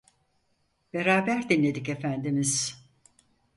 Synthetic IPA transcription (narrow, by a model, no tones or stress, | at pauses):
b̥e̞ɾaːbæɾd̪inlːʲe̞d̪ike̞fænd̪imiz̥